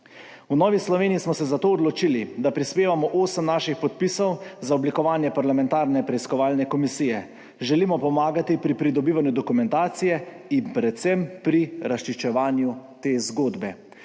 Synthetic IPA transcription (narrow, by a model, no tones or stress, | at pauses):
unɔːʋislɔʋeːniːsmɔsɛzat̪oːɔd̪lɔt͡ʃilid̪apɾispeːʋamɔʔoːsəmnaːʃixpɔt̪̚piːsɔwzaɔblikɔʋaːnjɛpaɾlamɛnt̪aːɾnɛpɾɛiskɔʋaːlnɛkɔmisijɛ | ʒɛlimɔpɔmaːɡat̪ipɾipɾid̪ɔbiːʋanjud̪ɔkumɛ̃nt̪aːt̪sijɛ | impɾɛt̪t̪sɛmpɾiɾasʃt͡ʃiʃt͡ʃɛʋaːnjut̪eːzɡoːd̪bɛ